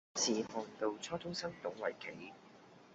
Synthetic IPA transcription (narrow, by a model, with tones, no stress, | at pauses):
sʰiː˨hɔː˨ŋt̪o˨˧wt͡sʰɔː˥t̪ʰʊ˥ŋsɐ˥nt̪ʊ˨˥ŋwɐ̰˨˩jkʰe˨˥j